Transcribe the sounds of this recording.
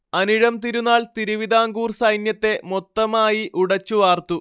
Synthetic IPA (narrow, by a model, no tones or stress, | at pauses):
ɐniɻɐmt̪iɾunːaːlt̪iɾuʋid̪ʱaːŋɡuːrsɐjnjɐt̪ːe̞mot̪ːɐmaːjiʔuɽɐt͡ɕːuʋaːrt̪u